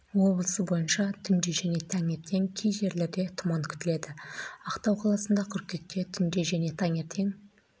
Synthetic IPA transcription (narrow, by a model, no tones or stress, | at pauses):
wo̞blˠəsəbo̞jənʃɑt̪ʰʏnd̪e̞ʒæne̞t̪ʰæŋe̞ɾt̪ʰe̞ŋkʲʰejʒe̞ɾle̞ɾd̪e̞t̪ʰʊmɑŋkʲʰʏ̥t̪ɪle̞d̪ɪɑqt̪ɑwqʰɑlˠɑsənd̪ɑkʲʰʏɾkʲːe̞k̪̚ːʲe̞t̪ʰʏnd̪e̞ʒæne̞t̪ʰɑŋe̞ɾt̪ʰe̞ŋ